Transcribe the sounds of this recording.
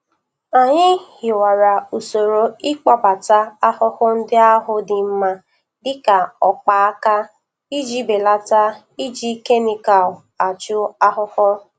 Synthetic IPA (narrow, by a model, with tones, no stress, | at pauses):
a˨ɲɪ˦hɪ˨wa˨ɾa˨u˨so˨ɾo˨ɪ˦k͡pa˦ba˨ta˦a˦hʊ˦hʊ˦n̩˦dɪ˦a˦ɦʊ˦dɪ˨m̩˦ma˦ | dɪ˦ka˨ɔ˨k͡pa˨a˦ka˦ | i˦d͡ʒi˦be˨la˦ta˦ | i˦d͡ʒi˦ke˦ni˨ka˨l | a˨t͡ʃʊ˦a˦ɦʊ˦hɔ˦